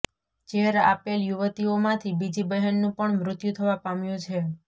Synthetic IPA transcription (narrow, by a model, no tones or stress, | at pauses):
t͡ʃeɦɾa̰peljuʋət̪iomãt̪ʰibid͡ʒibəɦənːũpəɳmɾʊt̪jut̪ʰəʋapamjũt͡ʃʰe